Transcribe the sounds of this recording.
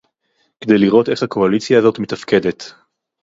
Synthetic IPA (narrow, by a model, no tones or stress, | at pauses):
ked̪e̞jliʁʔo̞te̞χhakʰo̞alit͡sjaːzo̞tmetafke̞de̞t̪